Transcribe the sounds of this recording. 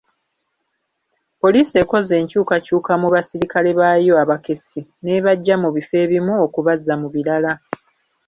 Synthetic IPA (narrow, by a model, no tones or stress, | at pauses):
po̞liːse̞ko̞ze̞ːɲcuːkacuːkamuβasiɾikale̞βajo̞aβake̞sine̞βaɟːamuβife̞ːβimuokuβazːamuβiɾala